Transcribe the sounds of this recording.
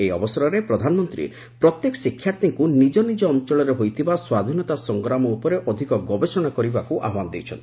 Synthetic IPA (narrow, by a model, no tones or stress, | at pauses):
ejɔ̰bɔsɔɾɔɾepɾɔd̪ʱanɔmɔnt̪ɾḭ | pɾɔt̪jekɔ̥sikʰːjaɾt̪iŋkunid͡ʒɔnid͡ʒɔːnt͡ʃɔɭɔɾeɦojt̪ʰibaswad̪ʱinɔt̪asɔŋɡɾamɔupɔɾeʔɔd̪ʱikɔɡɔbesɔɽ̃akɔɾibakuʔa̰ɦwanɔd̪ewt͡ʃʰɔ̰nt̪i